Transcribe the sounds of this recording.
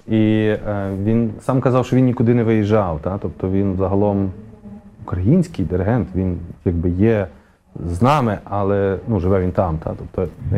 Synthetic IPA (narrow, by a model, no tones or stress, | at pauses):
i | ʋʲinsɑmkɐzɑwʃt͡ʃɔʋinnʲikʊd̪ɪnɛʋɪjiʒɑwt̪ɑt̪ɔpt̪ɔʋʲinzɐɦɐlˠɔm | ukɾɐjinʲsʲkɪjd̪ɪɾɪɦɛnt̪ʋʲinjɐɡ̚bɪjɛ | znɑmɪʔɑlˠɛnuʒɪʋɛʋʲint̪ɑmt̪ɑ̰t̪ɔp̚t̪ɔ